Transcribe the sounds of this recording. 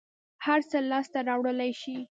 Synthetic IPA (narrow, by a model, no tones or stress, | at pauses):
haɾt͡səlɑst̪aɾɑwɽəlajʃi